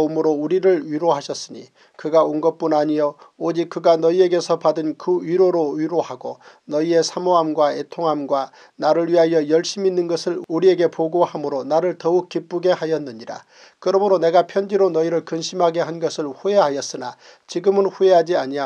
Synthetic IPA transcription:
omɯɾouɾiɾɯɭɥiɾoɦaɕʰʌs͈ɯɲḭ | kɯɡaonɡʌp͈unaɲiood͡ʑik̚k͈ɯɡanʌie̞ɡe̞sʰʌpadɯnkɯɥiɾoɾoɥiɾohaɡo | nʌie̞sʰamoɦamɡwaetʰoŋɦamɡwa | naɾɯɭɥiɦajʌjʌɭɕ͈iminːɯnɡʌsʰɯɭuɾie̞ɡe̞poɡohamɯɾonaɾɯɭtʌuk̚k͈ip͈uɡe̞hajʌnːɯɲiɾa̰ | kɯɾʌmɯɾone̞ɡapʰjʌnd͡ʑiɾonʌiɾɯɭkɯnɕʰimɦaɡe̞ɦanɡʌsʰɯɭɸue̞ɦajʌs͈ɯna | t͡ɕiɡɯmɯnɸue̞ɦad͡ʑiaɲia

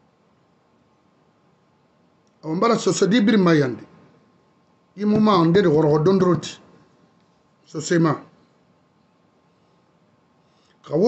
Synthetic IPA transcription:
awambaɾasosodibiɾimajandi | jimumandediɣɔɾɣodonduɾoti̥ | sosema | kawo

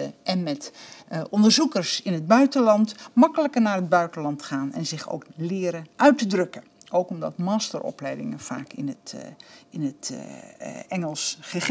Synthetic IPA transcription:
əʔɛnmɛtɔndərzukəɹsɪnɦəd̚bœɥtəlɑntmɑkələkəɹnaːrɦəd̚bœɥtənlɑntχaːnɛ̰nzɪχo̰wklɪːɾəʔœɥtədrɵkə | owkɔmdɑ̰tmaːstərɔ̰plɛjdɪ̰ŋə̰nfa̰ːkʰɪ̰nətɪnət | ɛŋəlˠsχə

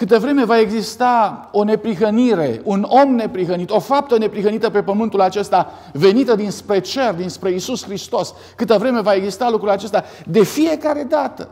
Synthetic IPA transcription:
kɨt̪əvɾe̞me̞vae̞ɡzist̪ao̞ne̞pɾiɦəniɾe̞uno̞mne̞pɾiɦənit̪o̞fap̚t̪əne̞pɾiɦənit̪əpe̞pəmɨnt̪ulat͡ʃe̞st̪a | ve̞nit̪əd̪inspɾe̞t͡ʃe̞rd̪inspɾe̞isusxɾist̪o̞s | kɨt̪əvɾe̞me̞vae̞ɡzist̪alukɾulat͡ʃe̞st̪a | d̪e̞fije̞kaɾe̞d̪at̪ə̰

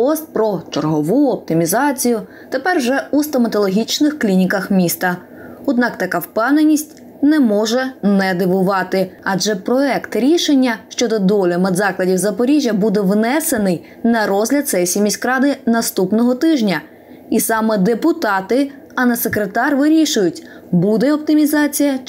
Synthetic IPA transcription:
ɔst̪̚pɾɔt͡ʃerɦɔʋuɔp̚t̪ɪmʲizɑt͡sʲijʊ | t̪epɛrwʒɛust̪ɔmɐt̪ɔlˠɔɦʲit͡ʃnɪxklʲinʲikɐxmʲist̪ɐ | ɔd̪nɑkt̪ɐkɑwpɛwnenʲːisʲtʲ | nɛmɔʒɛnɛd̪ɪʋʊʋɑt̪ɪɐd͡ʒɛpɾɔɛkt̪ɾʲiʃenʲːɐʃt͡ʃɔd̪ɔd̪ɔlʲɔmɛd̪zɑklˠɐdʲiwzɐpɔɾʲiʒʲjɐbud̪ɛʋnɛse̞nɪj | nɐɾɔzʲlʲɐd̪sɛjsʲimʲisʲkɾɑd̪ɪnɐst̪upnɔɦɔt̪ɪʒnʲɐ | isɑmɛd̪epʊt̪ɑt̪ɪ | ɐnɐsekɾet̪ɑrʋɪɾʲiʃʊjʊtʲ | bud̪ɛɔp̚t̪ɪmʲizɑt͡sʲijɐ

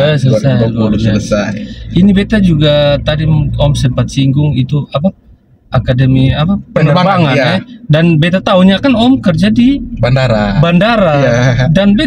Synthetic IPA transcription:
əsələsajɡlaəsajinibet̪ad͡ʒuɡat̪aɾimɔmsəmpat̪̚siŋɡʊŋit̪uapa | akadəmiapapənəabaŋanɛdanbet̪at̪auɲakanɔmkərd͡ʒadibandaɾabandaɾadanbe

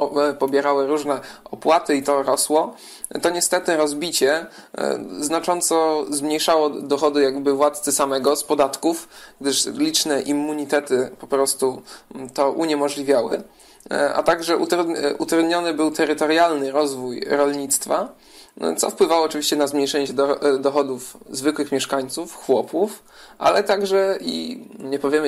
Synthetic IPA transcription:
pɔbʲjɛɾawɘɾuʐnɛɔpwat̪ɘit̪ɔɾɔswɔ | t̪ɔɲɛst̪ɛt̪ɘɾɔzbʲit͡ɕɛ | znat͡ʂɔnt̪sɔzmɲejʂawɔd̪ɔxɔd̪ɘjaɡbɘvwat̪t̪sɘsamɛɡɔspɔd̪at̪kufɡ̚d̪ɘʂlʲit͡ʂnɛʔimːuɲit̪ɛt̪ɘpɔpɾɔst̪ut̪ɔʔuɲɛmɔʐlʲivʲjawɘ̰ | ʔa̰t̪aɡʐɛʔṵt̪ɾud̪ʔut̪ɾud̪ɲɔnɘbɘwt̪ɛɾɘt̪ɔɾjalnɘɾɔzvujɾɔlɲit̪st̪fa | t̪sɔ̰fpwɘvawɔːt͡ʂɨvʲiɕt͡ɕɛnazmɲejʂɛɲɛd̪ɔd̪ɔxɔd̪ufzvɘkwɘxmʲjɛʂkaɲt̪sufxwɔpuf | ʔa̰lɛt̪aɡʐɛḭɲɛpɔvʲjɛm

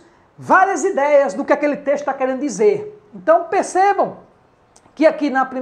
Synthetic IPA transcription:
vaɾiɐzid̪ɛjɐzd̪ʊkɪakelɪt̪eʃt̪ʊ̥t̪akɛɾẽnd̪ʊd̪izeɾẽnt̪ɐ̃w̃peɾsebɐ̃w̃ | kɪakinɐpɾĩ

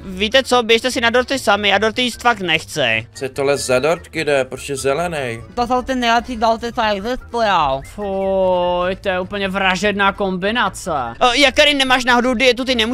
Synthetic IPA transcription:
viːt̪ɛt͡sobjɛʃt̪ɛsɪnadoɾt̪ɪsamɪadoɾt̪ɪiːst̪fak̚t̪nɛxt͡sɛ̰sɛt̪olɛzzadoɾt̪kɪdɛpɾosɛzɛlɛnɛjt̪at̪alt̪ɪnɛjlɛpʃiːd̪alt̪ɪt̪ajaɡzɛsp̪ljalfo | jt̪ojɛuːpl̩ɲɛvɾaʒɛdnaːkombɪnat͡sɛjak̚t̪aɾɪnɛmaːʃnaɦodowdɪjɛt̪̬ut̪ɪnɛmu

